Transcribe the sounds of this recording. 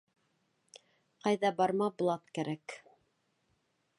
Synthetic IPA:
qɑjðɑbɑɾmɑblˠɑt̪kæɾæk

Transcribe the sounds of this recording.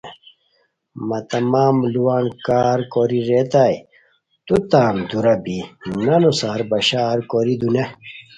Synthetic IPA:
mɐt̪ɐmaːmluwaːnkaːɾkoɾiɾeːt̪aːj | t̪ut̪aːnd̪uɾɐbinɐnosaːɾbɐɕaːɾkoɾid̪une

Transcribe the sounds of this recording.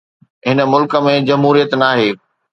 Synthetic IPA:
ɦɪnə̆mʊlkə̆mẽd͡ʑɐmɦuːɾijət̪naːɦeː

